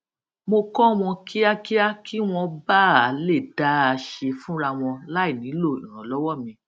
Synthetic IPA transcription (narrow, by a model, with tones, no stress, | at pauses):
mo˧kɔ˦w̃ɔ̃˧ki˦a˦ki˦a˦kʰi˦w̃ɔ̃˧ba˦˨a˨le˦˨da˨˦˧ʃe˧fũ˦ɾa˧w̃ɔ̃˧la˦i˦˨nĩ˨˦lo˦˨ḭ̃˨ɾ̃ɔ̃˨lɔ˨˦wɔ˦˨mĩ˧